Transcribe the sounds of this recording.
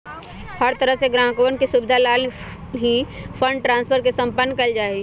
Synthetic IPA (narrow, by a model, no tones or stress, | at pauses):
həɾt̪əɾəɦseɡɾãːkoːənkisubɪd̪ʱalaːl | ɦipʰə̃ɳɖʈɾãːnspʰəɾkesə̃mpənːkəld͡ʒaːeɡ